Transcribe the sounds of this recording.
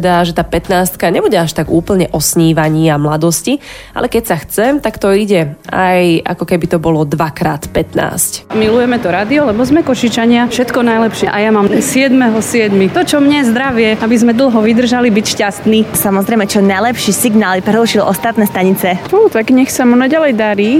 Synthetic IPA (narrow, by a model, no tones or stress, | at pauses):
d̪aʒɛt̪aːpɛt̪naːst̪kaɲɛbuɟɛaʃt̪aɡuːpl̩ɲɛʔɔsɲiːʋaɲiːamlad̪ɔsci | a̰lɛkɛcsaxt͡sɛmt̪akt̪ɔiɟɛa̰jʔa̰kɔkɛbit̪ɔbɔlɔd̪ʋakɾaːt̪pɛt̪na̰ːscmilujɛmɛt̪ɔɾad̪iɔlɛbɔzmɛkɔʃit͡ʃaɲɪafʃɛt̪kɔnajlɛpʃɪɛʔajamamsɪɛd̪mɛɦɔsɪɛd̪mit̪ɔt͡ʃɔmɲɛzd̪ɾaʋɪɛabizmɛd̪l̩ɦɔʋid̪r̩ʒalibicʃcast̪nisamɔzɾɛjmɛt͡ʃɔnajlɛpʃiːsiɡnaːlpɾɛɦɾuʃilʔɔst̪at̪nɛːst̪aɲit͡sɛut̪aɡɲɛxsamunaɟalɛjd̪aɾiː